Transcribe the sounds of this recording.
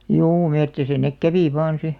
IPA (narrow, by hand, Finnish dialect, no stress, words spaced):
juː metːisæ nek kæʋiˑ ʋɑːn̞ si